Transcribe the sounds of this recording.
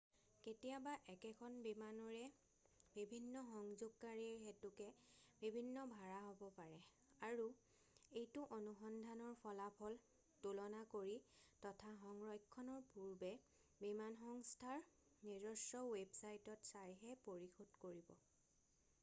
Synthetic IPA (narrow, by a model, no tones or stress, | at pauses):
ketijabaʔɛkɛkʰɔnbimanɔɹɛ | bibʱinːɔxɔŋzʊɡ̚kːaɹixetukɛbibʱinːɔbʱaɹaɦobɔpaɹɛ | aɹu | ejtʊʔonuxɔndʱanɔɹpʰɔlapʰɔl | tulɔnakoɹitɔtʰaɦɔŋɹɔjkʰːɔnɔɹpuɹbɛ | bimanxɔŋstʰaɹ | niɹɔsɹɔwebsajtɔtsajɦɛpoɹixodkoɹibɔ̰